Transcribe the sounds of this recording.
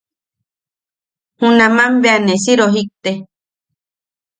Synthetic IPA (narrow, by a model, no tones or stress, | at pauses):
hũnãmãmbeanesiɾoɦik̚t̪e